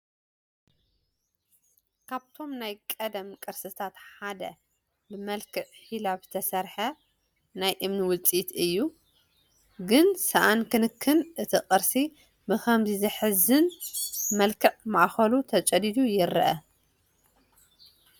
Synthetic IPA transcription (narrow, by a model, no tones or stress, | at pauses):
kʰaβt̪ʰo̞mnajkʼɐd̪ɐmkʼɨɾsɨt̪ʰat̪ħad̪ɐ̰ | bɨmɐlkʰɨʕħilabɨt̪ʰɐsɐɾħɐ | najʔɨmniwʊlt͡sʼit̪ɨjːu | ɡɨnsɐʔankɨnɨkʰːɨnʔɨt̪ʰiqʼɨɾsi | bɨxɐmzizɨħɨzɨnmɐlkʰɨʕmaʔxɐlut̪ʰɐt͡ʃʼɐd̪id̪ujɪɾɨʔɐ